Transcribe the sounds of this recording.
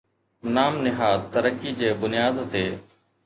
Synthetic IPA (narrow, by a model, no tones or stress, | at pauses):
naːmnɪɦaːd̪t̪əɾəkiːd͡ʒeːbʊnɪjaːd̪t̪ʰeː